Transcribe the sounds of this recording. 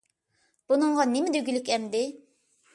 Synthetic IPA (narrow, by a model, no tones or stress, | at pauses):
b̥unɨŋʁɑnɪmɛd̪yɡʲylykʲɛmd̪ɪ